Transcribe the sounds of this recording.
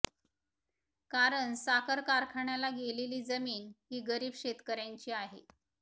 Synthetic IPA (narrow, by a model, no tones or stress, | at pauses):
kaɾəɳsakəɾkaɾkʰaɳjalaɡeleliːd͡zəmiːnɦiːɡəɾiːbɕet̪kəɾjaɲt͡ɕiːaɦḛ